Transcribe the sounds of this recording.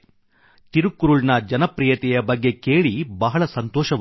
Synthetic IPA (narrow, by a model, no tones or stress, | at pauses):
t̪iɾukːuɾuɭnɐd͡ʒɐnɐpɾijɐt̪ɛjɐbɐɡːe̞ke̞ːɭibɐɦɐɭɐsɐnt̪ɔːʃɐʋ